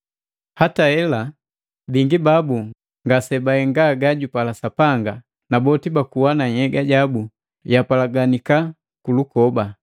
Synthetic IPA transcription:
hatahɛla | biŋɡibabu | ŋɡasɛbahɛŋɡaɡaɟupalasapaŋɡa | nabɔtibakuwanaɲhɛɡaɟabu | japalaɡanika | kulukɔba

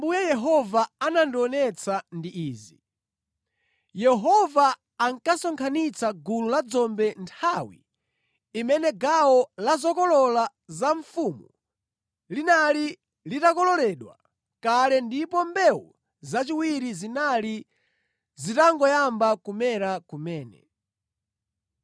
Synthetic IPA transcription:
mbujɛjɛɦɔvaanandɔnɛt͡sandiʔiːzi | jɛɦɔvaː | ŋkasɔŋkʰanit͡saɡululad͡zɔmbɛntʰawḭ | imɛnɛɡawɔlazɔkɔlɔla | zaɱfuːmu | linali | litakɔlɔlɛɗwa̰ | kalɛndipɔmbɛwɔ̰ | zat͡ʃiwiɾizinali | zitaŋɡɔjambakumɛɾakumɛːnɛ̰

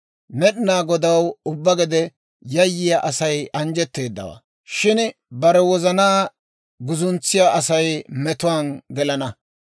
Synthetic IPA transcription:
nɛɗɪnaːɡɔd̪ɐwʊbːɐɡɛd̪ɛ | jɐjːɪjɐʔɐsɐjɐnd͡ʒɛt̪ːe̞ːd̪ːɐ̰wɐ̰ | ʃɪnbɐɾɛwɔzɐnaː | ɡʊzʊnt͡sːɪjaːʔɐsɐjmɛt̪ʊwaːnɡɛlɐnɐ

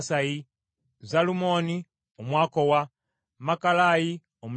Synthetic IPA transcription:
saji | zalumo̞ːni | omwaːkowa | makalaji | omu

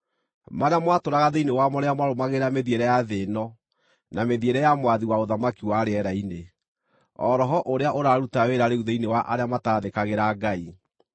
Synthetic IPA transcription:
maɾeamwatoɾaɣaðeinewamɔɾeamwaɾomaɣeɾameðieɾɛjaðenɔ | nameðieɾɛjamwaðiwaoðamakiwaɾeɛɾaine | ɔ̰ɾɔɦɔʔoɾeaʔoɾaɾutaweɾaɾeuðeinewaʔa̰ɾeamataðekaɣeɾaɡai

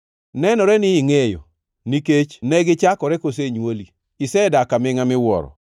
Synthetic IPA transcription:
nɛnɔɾɛnɪɪŋejo̰ | niket͡ʃnɛɡɪt͡ʃakɔɾɛkos̬eɲwoli | ɪsɛdakamɪŋamɪwɔ̰ɾɔ̰

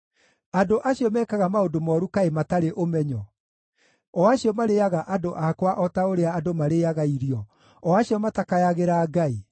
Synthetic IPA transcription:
adoʔaɕiɔmɛːkaɣamaodomɔɾukaemataɾeʔomɛɲɔ | ɔaɕjɔmaɾejaɣaʔadoʔakwaʔɔtaoɾeaːdomaɾejaɣaiɾiɔ | ɔaɕjɔmatakajaɣeɾaɡai

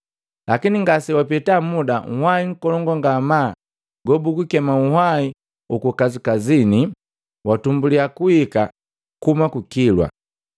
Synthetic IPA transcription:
lakiniŋɡasiwapitamudaŋ̩hwaiŋ̩kɔlɔŋɡɔŋɡamaː | ɡɔbuɡukɛmauhai | ukukazikazini | watumbuliakuhika | kumakukilwa̰

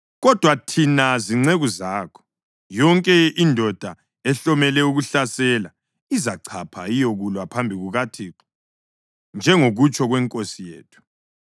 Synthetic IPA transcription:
ɣɔd̥ʱwatʰinaziŋ͡ǀeɣuzaːkʰɔ̥ | jɔŋkʼɛindʱɔd̥ʱa | ɛɬɔmɛlɛuɣuɬasɛla | izaǀʰapʰa̰ijoɣulwapʰambʱiɣuɣatʰiǁɔ̥ | nd͡ʒʱɛŋoɣut͡ʃʼɔɣwɛŋkʼosijḛːtʰu̥

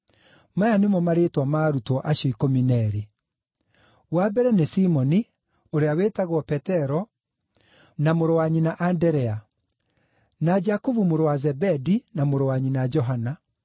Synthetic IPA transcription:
majanemɔmaɾetwamaːɾutɔʔaʃɔikɔminɛɾi | wabɛɾɛnesimɔni | oɾeawetaɣwɔpɛtɛɾɔ | namoɾɔwaɲinaʔandɛɾɛa | nad͡ʒakuvumoɾowazɛbɛdinamoɾɔwaɲinad͡ʒɔɦana

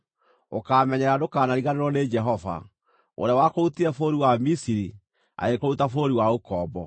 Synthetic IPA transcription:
okaːmɛɲɛɾadokaːnaɾiɣaneɾwɔned͡ʒɛɦɔva̰ | o̰ɾeawakoutiɾɛfoːɾiwamisiɾi | a̰ɣekoutafoɾiwaokɔːbɔ

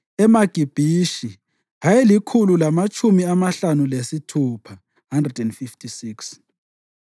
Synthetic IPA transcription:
ɛmaɡ̥ʱib̥ʱiʃi | ɦajelikʰululamat͡ʃʰʼumiamaɬanulesitʰuːpʰa | ɦandrɛdɛndfiftʰʼisiːks

